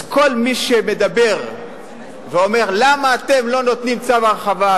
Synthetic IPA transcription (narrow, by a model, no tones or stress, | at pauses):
ko̞lmiʃeme̞d̪abe̞ʁ | veo̞me̞ʁlamaːt̪e̞mlo̞no̞t̪nimt͡savaʁeχava